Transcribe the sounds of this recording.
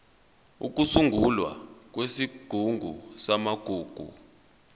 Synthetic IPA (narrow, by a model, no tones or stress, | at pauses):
ṵk̬usuŋɡʱulwa̰k̬wesiɡ̥ʱuŋɡʱusamaɡ̥ʱuːɡ̥ʱṵ